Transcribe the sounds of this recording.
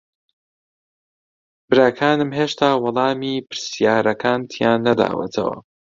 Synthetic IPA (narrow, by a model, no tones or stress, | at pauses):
bɨɾaːkʰaːnɨmɦeːʃt̪ʰaːwɑlˠɑːmiːpʰɨɾsijaːɾɐkʰaːnt̪ʰijaːnːɐd̪a̰ːwɐ̰t̪ʰɐ̰wɐ̰